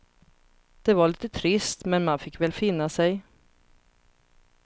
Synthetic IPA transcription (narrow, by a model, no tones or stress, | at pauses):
d̪̥ɛvaɭiːt̪ət̪ʰɾɪst̪mɛnmanfɪkːvɛːlfɪnːasɛj